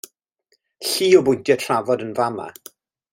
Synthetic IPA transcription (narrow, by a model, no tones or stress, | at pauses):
ɬiːɔbʊdjɔtʰravɔdənvama̰